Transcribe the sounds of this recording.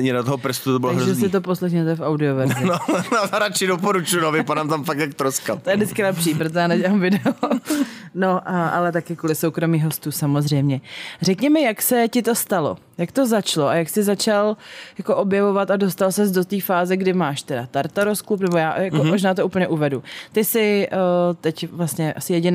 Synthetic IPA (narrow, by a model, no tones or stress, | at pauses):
ɲɛdat̪oɦopr̩st̪ut̪obɪlaɦɾzʒɛssɪt̪̬opo̞slɛxɲɛt̪ojɛfawdɪovɛɾzaɾat͡ʃɪdopoɾut͡ʃujunovɪpadaːmt̪amfak̚t̪ak̚t̪ɾoska̰t̪ojɛdɪt͡skɪnapʃiːpɾot̪ojaːnɛɟɛamvɪdɛo | noʔaʔa̰lɛt̪akɪkuːlɪsowkɾo̞miːɦo̞st̪uːsamozrɛjmɲɛr̝ɛkɲɛmɛjaksɛcɪt̪o̞st̪alo̞̰ | jakt̪o̞zat͡ʃloajaksɪzat͡ʃaljako̞ʔobjɛvo̞vat̪adost̪alsɛzdo̞t̪iːfaːzɛɡdɪmaːʃt̪ɛdat̪aɾt̪aɾosklupnɛbojaːjakmkomoʒnaːt̪̬ouːp̩ɲɛʔuvɛdut̪ɪsɪ | t̪ɛcvlast̪ɲɛʔasɪjɛɟɪn